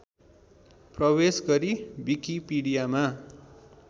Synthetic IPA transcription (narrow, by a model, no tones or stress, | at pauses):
prʌbesɡʌɾibikipiɽijama